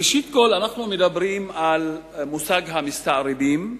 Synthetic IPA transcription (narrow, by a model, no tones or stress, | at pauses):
iʃit̪̚kolanaχnumed̪abɾimal | musaɡɦamist̪aɾibim